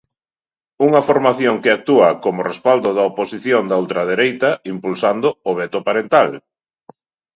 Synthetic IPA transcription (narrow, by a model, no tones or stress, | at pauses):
uŋɐfoɾmaθjoŋkɪak̚t̪uɐkomʊrespald̪ʊðɐoposiθjoŋd̪aolt̪ɾɐð̞eɾejt̪ɐimpulsand̪ʊoβɛt̪ʊpaɾent̪al